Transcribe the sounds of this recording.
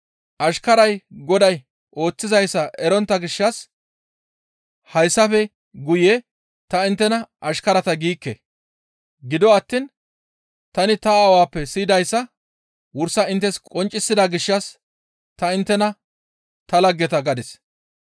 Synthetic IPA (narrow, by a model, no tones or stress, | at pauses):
ʔɐʃkɐɾɐjɡɔd̪ɐj | ʔo̞ːt͡sːɪzɐjsːɐʔɛɾɔnt̪ːɐɡɪʃːɐs | hɐjsːɐfɛ | ɡʊjɛ | t̪ɐɪnt̪ːɛnɐʔɐʃkɐɾɐt̪ɐɡiːkːɛ̰ | ɡɪd̪ɔɐt̪ːiːn | t̪ɐnɪt̪ɐːwaːpːɛsiːd̪ɐjsːɐ | wʊɾsːɐɪnt̪ːɛskʼɔnt͡ʃʼːɪsːɪd̪aɡɪʃːɐs | t̪ɐɪnt̪ːɛnɐ | t̪ɐlɐɡːɛt̪ɐɡɐd̪ɪs